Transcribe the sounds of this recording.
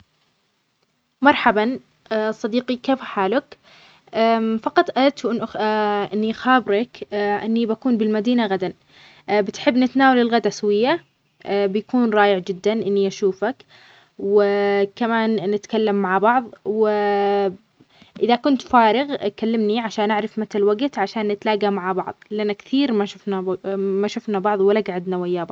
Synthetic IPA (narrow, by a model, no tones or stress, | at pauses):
mɑɾˤħaban | sˤɑd̪iːqikeːfħaːlʊk | ʔfɑqɑt̪ˤʔaat̪uʔɪnʔʔɪnːixaːbɾɑkʔɪnːibakuːnbɪlmad̪iːnaɣad̪an | bɪt̪ħɪbːnɪt̪naːwalɪlɣad̪ʔaswɪjːa | bɪjakuːnɾˤɑːjɪʕd͡ʒɪd̪ːanʔɪnːiʔaʃuːfak | wɪkamaːnːɪt̪kalːamːaʕbɑʕðˤwɪ | ʔɪðakʊnt̪faːɾɪɣkalːɪmniʕaʃaːnʔaʕɾɪfmat̪alwaɡt̪ʕaʃaːnːɪt̪laːɡamaʕbɑ̰ʕðˤlɪʔanːakθiːɾmaʃʊfnamaʃʊfnabɑʕðˤwɪlaɡʕad̪nawajːaːbˤ